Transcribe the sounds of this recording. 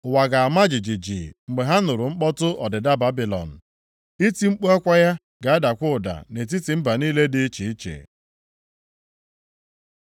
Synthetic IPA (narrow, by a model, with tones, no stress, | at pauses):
wa˨ɡa˨a˨ma˦d͡ʒi˨d͡ʒi˨d͡ʒḭ˨ŋ͡m̩˨ɡ͡be˨ɦa˦nʊ˨ɾʊ˨ŋ͡m̩˦k͡pɔ˦tʊ˦ʔɔ˨dɪ˨da˦ba˦bi˨lɔ̰˨n̩˨ | i˦ti˦ŋ͡m̩˦k͡pu˦a˦kʷa˦ja˦ | ɡa˨a˦da˨kʷʊ˦ʊ˨da̰˨ne˨t̬i˦ti˨m̩˦ba˨niː˦le˦dɪ˦t͡ʃi˨i˦t͡ʃḛ˨